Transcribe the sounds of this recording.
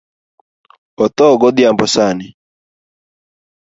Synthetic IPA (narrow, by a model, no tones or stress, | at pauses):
ɔt̪ɔɡɔd̪jambɔsanɪ